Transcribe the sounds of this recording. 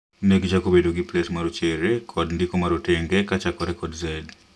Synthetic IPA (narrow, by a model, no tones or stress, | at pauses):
nɛɡd͡ʒakobedoɡiplesmaɾot͡ʃɛɾekʰɔdndikomaɾotɛŋɡɛkat͡ʃakɔɾɛkɔdzɛd